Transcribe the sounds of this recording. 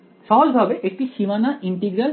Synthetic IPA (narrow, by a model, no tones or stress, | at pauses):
sɔːlbʱabeʔek̚ʈiʃimanaiɳʈiɡɾəl